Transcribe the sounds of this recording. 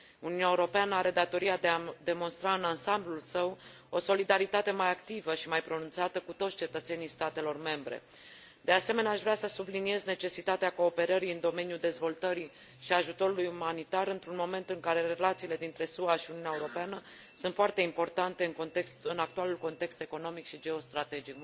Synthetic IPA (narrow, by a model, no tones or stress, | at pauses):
uniuneeuɾo̞peanəaɾe̞d̪at̪o̞ɾijad̪ead̪e̞mo̞nst̪ɾaɨnansamblulsəw | o̞so̞lid̪aɾit̪at̪e̞majakt̪ivəʃimajpɾo̞nunt̪sat̪əkut̪ot̪st͡ʃe̞t̪ət̪se̞nijst̪at̪e̞lo̞rme̞mbɾḛ | d̪e̞ase̞me̞neaʃvɾasəsublinie̞zne̞t͡ʃe̞sit̪at̪eako̞ːpe̞ɾəɾiɨnd̪o̞me̞njud̪e̞zvo̞lt̪əɾi | ʃiaʒut̪o̞ɾulujumanit̪aɾɨnt̪ɾunmo̞me̞nt̪ɨŋkaɾe̞ɾe̞lat̪siːle̞d̪int̪ɾe̞suaʃiuniunaeuɾo̞peanə | sunt̪foart̪e̞impo̞rt̪ant̪e̞ɨŋkot̪eksɨnak̚t̪ualulko̞nt̪e̞kst̪e̞ko̞no̞mikʃid͡ʒe̞o̞st̪ɾat̪e̞d͡ʒik